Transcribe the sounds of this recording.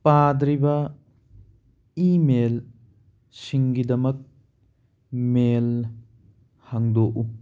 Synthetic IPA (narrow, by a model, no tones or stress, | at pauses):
padɾibɐ | imel | siŋɡidɐmɐk̚ | mel | haŋdoʔu